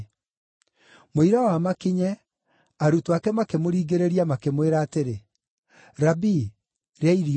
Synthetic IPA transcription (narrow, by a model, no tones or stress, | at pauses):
moiɾawamakiɲɛ | aɾutwakɛmakemoɾiːɡeɾeɾiamakemweɾaːteɾe | ɾabi | ɾeaiɾi